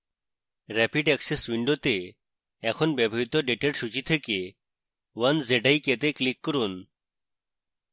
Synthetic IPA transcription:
ɾɛpiɖɛksesʋiɳɖot̪e | ɛkʰɔnbebʱɔɦit̪ɔɖeʈeʈsut͡ʃit̪ʰeke | wənzeɖajket̪eklikːɔɾun

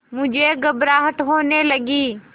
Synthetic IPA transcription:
mʊd͡ʒʱeɡəbɾaːɦəʈɦoːneləɡiː

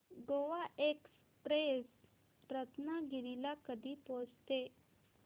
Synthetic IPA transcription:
ɡoʋaʔeks | pɾes | ɾət̪naɡiɾilakəd̪iːpod͡zt̪e

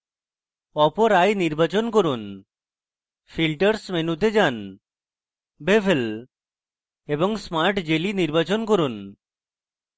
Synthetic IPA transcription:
ɔpoɾajniɾbat͡ɕonkoɾun | fʰilʈəɾsmenut̪ed͡ʑan | bebʱel | eboŋsmaɾʈd͡ʑeliniɾbat͡ɕonkoɾun

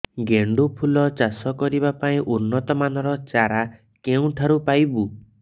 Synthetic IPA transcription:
ɡeɳɖupʰulɔt͡ʃasɔkɔɾiβapaĩʔunːɔt̪ɔmanɔɾɔt͡ʃaɾa | keũʈʰaɾupajbu

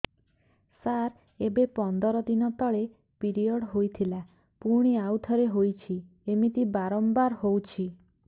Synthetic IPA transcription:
saɾ | ebepɔnd̪ɔɾɔd̪inɔt̪ɔɭe | piɾiɔɽɦojt̪ʰila | puɾɽ̃iawt̪ʰɔɾeɦojt͡ʃʰi | emit̪ibaɾɔmbaɾɦowt͡ʃʰi

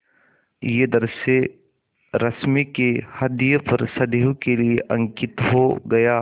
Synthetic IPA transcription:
jed̪ɐɾse | ɾɐsmekehɐd̪ijəpɐɾsɐd̪eɦõkelieʔɐ̃ŋkɪt̪ɦoɡɐjaː

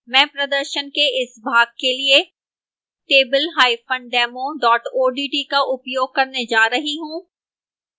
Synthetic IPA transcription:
mɛ̃ːpɾɐd̪əɾʃənkeʔɪsbʱaːɡ̚kelie | ʈeːbəlɦaːifə̃ɳɖɖɛːmõɖɔːʈoːɖiːʈiːkaʔʊpjoːɡ̚kɐɾned͡ʒaːɾɐɦiɦũː

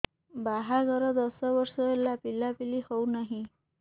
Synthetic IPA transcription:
baɦaɡʱəɾəd̪əsəʋəɾsɔelːapilapilihownaɦi

